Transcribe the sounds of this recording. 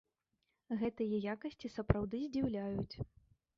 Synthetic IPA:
ɣɛt̪ɨjɐjakɐsʲt͡sʲisɐpɾawd̪ɨzʲd͡zʲiwlʲajut͡sʲ

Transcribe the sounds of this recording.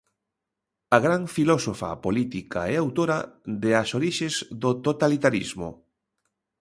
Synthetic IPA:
ɐɣɾaɱfilɔsofa̰polit̪ika̰ɛawt̪oɾad̪easoɾiʃezðot̪ot̪alit̪aɾizmʊ̰

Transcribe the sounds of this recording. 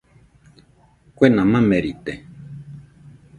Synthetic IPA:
kʷenãmãmeɾit̪e

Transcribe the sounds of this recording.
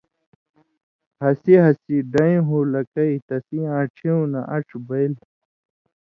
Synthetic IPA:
hɐsiɦɐsiɖɐĩɦulɐkɐit̪ɐsiãːʈ͡ʂʰeũnaʔɐʈ͡ʂʰbɐil

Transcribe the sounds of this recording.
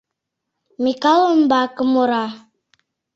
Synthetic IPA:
mikaləm̩bakəmoɾa

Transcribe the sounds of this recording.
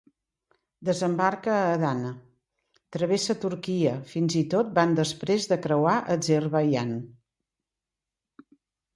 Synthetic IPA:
d̪əzəmbarkəːðanə | t̪ɾəβesət̪uɾkiəfinzit̪ot̪̚band̪əspɾezðəkɾəwaʔəzərβəjan

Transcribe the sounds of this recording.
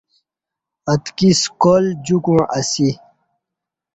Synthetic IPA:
ɐt̪kiskold͡ʑukũʔɐsi

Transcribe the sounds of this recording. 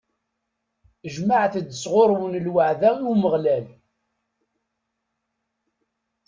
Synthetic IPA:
əʒmaʕθəd̪ːəsʁoɾˤwənlwaʕðæiuwməʁlæl

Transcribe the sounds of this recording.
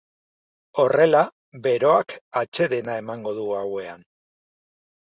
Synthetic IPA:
o̞re̞la | βe̞ɾo̞akat͡ʃe̞ðe̞nae̞maŋɡo̞ðuawe̞a̰n

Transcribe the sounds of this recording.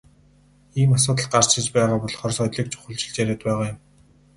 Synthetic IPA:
iːmasʊːt̪ə̆ɮ̚ɢar̥t͡ɕɪ̆t͡ɕpæːʁaːpɔɮχɔrsɔjt̪ɮiːk̚t͡ɕʰʊ̥χɵ̆ɮt͡ɕɪ̆ɮt͡ɕæɾeːt̪̚pæːʁaːjʊm

